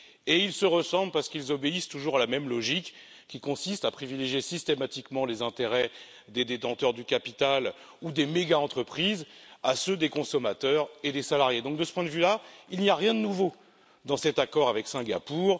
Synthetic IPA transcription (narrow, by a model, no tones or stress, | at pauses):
eilsəʁəsɑ̃blpaʁsə̥kilzɔbeist̪uʒuʁalamɛmlɔʒikːʲ | ikɔ̃sist̪apχivileʒjesist̪emat̪ikmɑ̃lezɛ̃t̪eʁɛ | d̪ed̪et̪ɑ̃t̪œʁd̪ykapit̪al | ud̪emeɡaɑ̃t̪χəpχizasød̪ekɔ̃sɔmat̪œʁed̪esalaʁjed̪ɔ̃k̚d̪əsə̥pwɛ̃d̪əvylailnijaʁjɛ̃d̪ənuvo | d̪ɑ̃sɛt̪akɔʁavɛksɛ̃ɡa̰puʁ